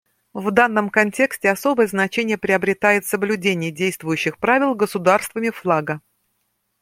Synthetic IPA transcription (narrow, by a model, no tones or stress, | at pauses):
vd̪anːəmkɐnʲtʲe̞ksʲtʲɪɐso̞bəjəznɐt͡ɕenʲɪjəpɾʲɪɐbɾʲɪt̪ajɪt̪səblʲʉdʲenʲɪjədʲejst̪vʊjʉɕːɪxpɾavʲɪlˠɡəsʊd̪arst̪vəmʲɪflˠaɡə